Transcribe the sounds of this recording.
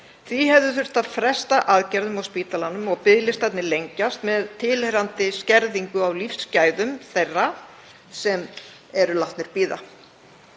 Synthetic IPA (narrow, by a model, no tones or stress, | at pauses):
θviɦɛvðʏθʏr̥t̪aðfɾɛst̪aʔaðcɛɾðʏmawspiːt̪alanːʏmɔɣpɪðlɪst̪θɛtnɪlejɲcast̪mɛðt̪ʰɪlhɛɾant̪ɪscɛɾðiŋkʏawlifscaːjðʏmθejrːa | sɛm | ɛɾʏlaht̪nɪɾ̥piːða